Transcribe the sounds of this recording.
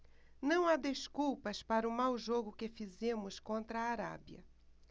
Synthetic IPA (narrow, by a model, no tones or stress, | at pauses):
nɐ̃w̃ad̪eskuwpɐspaɾɐʊmawʒoɡʊkɪfizẽmʊskõnt̪ɾɐaːɾa̰bjɐ̰